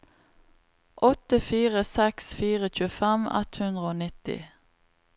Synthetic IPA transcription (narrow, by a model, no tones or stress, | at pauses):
ʔɔt̪əfiːʁəsɛksfiːʁəc͡çʉːfɛmɛ̰t̪hʉnd̪ʁəoːnɪt̪ɪ̰